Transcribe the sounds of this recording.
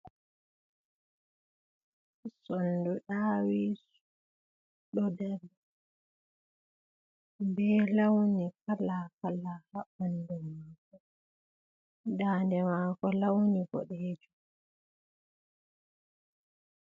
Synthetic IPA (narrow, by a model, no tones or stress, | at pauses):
sɔnduɗaːwis | ɗɔdɛlːɛ | bɛːlawnikalakalahaɓandumaːkɔ | daːndɛmaːkɔlawniɡɔ̰ɗɛːd͡ʒu